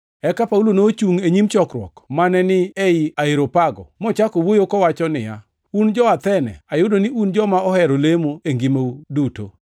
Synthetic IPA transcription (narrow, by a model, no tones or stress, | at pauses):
ɛkapaulonot͡ʃuŋeɲimt͡ʃɔkɾwɔ̰kmanɛnɪeiaiɾopaɡɔ̰mɔt͡ʃakowojokɔwat͡ʃɔnɪ̰ja | und͡ʒɔat̪ɛnɛ̰ajʊdonɪʔund͡ʒɔmaɔhɛɾolemoeŋɡimauduto̰